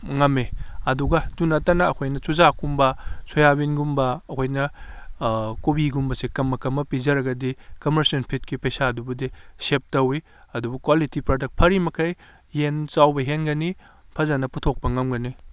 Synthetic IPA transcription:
ŋɐmeɐduɡɐdunɐtɐnɐɐkʰojnɐt͡ʃuzakumbɐsojabinɡumbɐɐkʰojnɐ | kubiɡumbɐsekɐmːɐkɐmːɐpizɐɾɐɡɐdikɐmɐɾsɐnpʰit̚kipɐjsadubɐdisep̚tɐwi | ɐdubukwalitipɾodɐk̚pʰɐɾimɐkʰɐj | hent͡ʃawbɐɦenɡɐni | pʰɐzɐnɐputʰok̚pɐŋɐmɡɐni

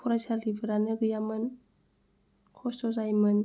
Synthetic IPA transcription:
pʰɔɾasalibəɾanɯɡɯjamɯn | kʰɔstɔzajmɯn

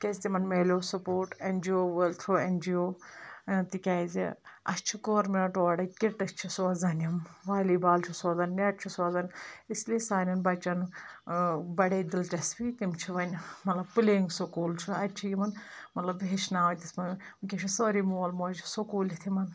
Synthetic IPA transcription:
kʲɐzʲt̪imɐnmeːlʲoːsɐpoːɾʈend͡ʒioːʋəlt̪ʰuːend͡ʒioː | t̪ikʲaːzḭɐ̰st͡ʃʰiɡoːɾmeʈoːɽɐkʲiʈɐst͡ʃʰisoːzɐnɐmʋaːliːbaːlt͡ʃʰusoːzɐnnɐʈ̚t͡ʃʰisɔːzɐnʲisliesaːnʲɐnbɐt͡ʃɐnu | bɐɽed̪ilʈɐsbit̪imt͡ʃʰiʋɐnʲmɐt̪lɐb̚pɨleːŋɡsukuːlt͡ʃʰuɐt͡ʃʰijimɐnmɐt̪lɐbʋeːt͡ʃʰnaːʋɐt̪ʲismɐnkʲet͡ʃʰisoːɾimoːlmoːd͡ʒisukuːlit̪ʰimɐn

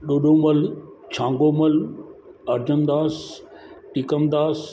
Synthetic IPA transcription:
ɗoːɗõməlt͡ɕʰãːŋɡoːməl | ɐɾd͡ʑənd̪aːs | ʈiːkəmd̪aːs

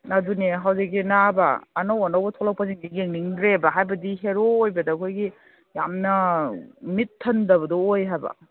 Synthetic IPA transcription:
naduneɦawzik̚inaba̰ːnowanawbɐtʰolawpʰaziŋdiɡeŋniŋdɾebɐɦajbɐdiɦeɾoːjbɐdɐːkʰojɡi | jamnɐ | mitʰːɐndɐbɐdɔojɦajbɐ̰

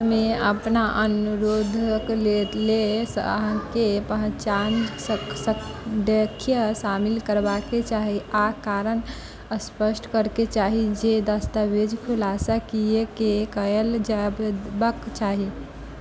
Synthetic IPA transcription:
meəpnaʔənuɾod̪ʱklelesɦãkepəɦt͡ʃand͡ʒsəksəkd̪ekʰjəsamilkəɾbaket͡ʃaɦiakaɾən | əspəsʈkəɾket͡ʃaɦid͡ʒed̪əst̪abed͡ʒkʰulasakiekekəəld͡ʒabbəkt͡ʃaɦi

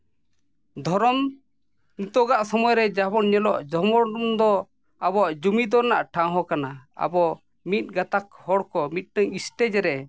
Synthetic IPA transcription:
d̪ʱɔɾɔm | nit̪ɔɡaʔsɔmɔjɾɛd͡ʒabɔnɲɛlɔʔd͡ʒɔmɔɾɖumd̪ɔ | abɔʔd͡ʒumid̪ɔnaʔʈʰãɦɔkanaa̰bɔ | mit̪̚ˀɡat̪akhɔɽkɔmit̪̚ˀʈəŋisʈɛd͡ʒɛɾɛ

